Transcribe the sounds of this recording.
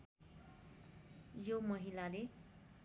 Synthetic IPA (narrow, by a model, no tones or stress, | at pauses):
jomʌɦilale